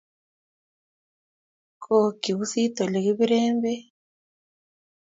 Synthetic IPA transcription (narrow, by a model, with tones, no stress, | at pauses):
ko˨ki˨βu˦si˦to˨li˨ɣi˦βi˦ɾeːmbe˦